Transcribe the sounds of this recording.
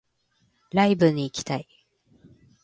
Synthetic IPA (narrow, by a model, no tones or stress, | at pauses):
ɾaibɯ̟ɲ̟iːkʲi̥t̪ai